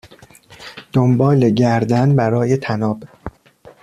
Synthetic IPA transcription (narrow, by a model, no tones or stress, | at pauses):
d̪̥ombɒːle̞ɟæɾd̪ænbæɾɒːjet̪ʰænɒːb